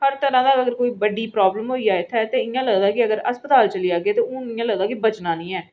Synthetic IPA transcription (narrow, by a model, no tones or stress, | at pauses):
həɾt̪əɾãːd̪aːəɡəɾkoːiːbəɖiːpɾaːbləmɦoːiːaːɪt̪ʰɛːt̪eːɪjãːləɡd̪aːkɪəɡəɾəspət̪aːlt͡ʃəliːaːɡeːt̪eːõːnɪjãːləɡd̪aːkɪbət͡ʃnãːnĩːɛː